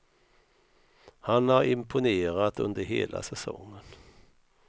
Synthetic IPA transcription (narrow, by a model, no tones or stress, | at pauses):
hanhaɾɪmpʰʊneːɾat̪ɵnd̪əɾɦḛːlʔa̰sɛsɔ̰ŋːən